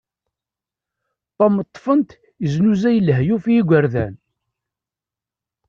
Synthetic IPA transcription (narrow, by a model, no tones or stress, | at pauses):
t̪ˤːɑmət̪ˤːfənt̪ | əznuzæjəlɦjufiiɡʷəɾðæ̰n